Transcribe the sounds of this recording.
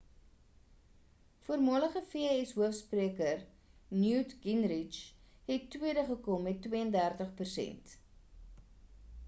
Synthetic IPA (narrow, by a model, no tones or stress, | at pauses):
fuərmɑːləχəfiɛsɦuəfspriəkər | njuːtɡinrit͡ʃ | ɦɛtːwiədəχəkɔmːɛtːwiəəndærtəχpərsɛ̰nt